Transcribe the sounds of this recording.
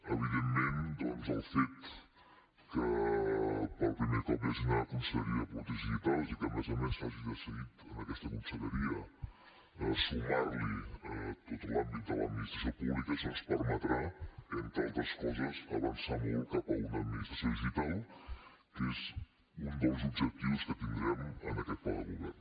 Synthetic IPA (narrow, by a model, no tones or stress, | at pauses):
əβ̞iðemːend̪ɔnzəlˠfet̪ | kə | pəlpɾimekɔpeznəkunsəʎəɾiəput̪iʒit̪alzikəmezomesaʒiðəsəɣit̪ənəkɛst̪əkunsəʎəɾiə | əsumaɾliət̪ot̪ulambit̪̚d̪ə̰la̰minist̪ɾəsopuβlikəsənspəɾmət̪ɾaənt̪ant̪əskɔzəzəβənsanuwkapəunəminist̪ɾasjoðiʒit̪alˠ | kez | und̪əlˠzubʒək̚t̪iwskət̪ind̪ɾɛmənəkɛt̪̚paləmumen